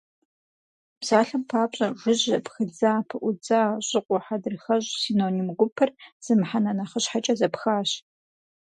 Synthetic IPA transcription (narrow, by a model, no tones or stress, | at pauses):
bz̥aːɬɐmpʰaːpɕʼɐʒʷʊʑɐpxɨd͡zaːpʰɨʔʷʊd͡zaːɕʼɪqʷʼɔħadɨrxɐɕʼsinoːnimɡʷʊpʰɐrz̥ɨmħanɐnɐχəɕħat͡ʃʼɐzɐpxaːɕ